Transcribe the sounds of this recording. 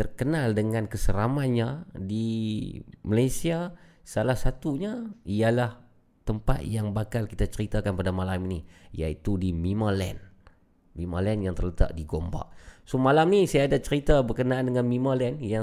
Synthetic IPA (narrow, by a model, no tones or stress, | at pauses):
t̪ərkənaldəŋankəsəɾamanɲadi | malajsia | salahsat̪uɲaialah | t̪əmpa̰t̪̚jaŋbakalkit̪at͡ʃəɾit̪akanpadamalaminijait̪udimimalɛ̰n | mimalɛnjaŋt̪ərlət̪a̰ʔdiɡomba̰ʔsomalamnisajaːdat͡ʃəɾit̪abərkənaandəŋanmimalɛnja